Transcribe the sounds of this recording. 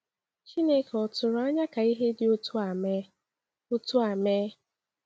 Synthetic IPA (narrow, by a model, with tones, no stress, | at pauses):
t͡ʃi˦ne˦kɔ˨tʊ˨ɾʊ˨˦a˦ɲa˦ka˨i˦ɦe˦dɪ˨ʊ˦tʊ˦a˨me˦ | ʊ˦tʊ˦a˨meː˦